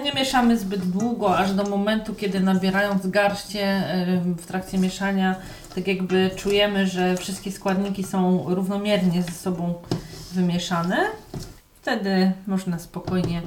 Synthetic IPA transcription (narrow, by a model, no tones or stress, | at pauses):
ɲɛmʲjɛʂamɘzbɘd̪d̪wuɡɔaʐd̪ɔmɔmɛnt̪ukʲɛd̪ɘnabʲjɛɾajɔnd̪ɡaɾɕt͡ɕɛ | ft̪ɾak̚t͡ɕsʲjɛmʲjɛʂaɲa | t̪akʲjaɡbɘt͡ʂujɛmɘʐɛfʂɘst̪̚kʲɛskwad̪ɲikʲisɔ̃w̃ɾuvnɔmʲjɛɾɲɛzɛsɔbɔ̃w̃vɘmʲjɛʂanɛ | ft̪ɛd̪ɘmɔʐnaspɔkɔjɲɛ